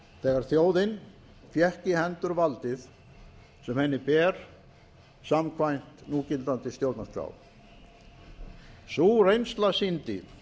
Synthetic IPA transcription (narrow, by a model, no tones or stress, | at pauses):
θɛːɣaɾ̥θjoːwðɪn | fjɛhcɪhɛnt̪ʏɾvalt̪ɪθ | sɛmhɛnːɪpɛːɾ̥ | samkʰvajn̥t̪nuːcɪlt̪ant̪ɪst̪jowt̪nakʰɾa̰ːw | surejnst̪lasint̪ɪ̰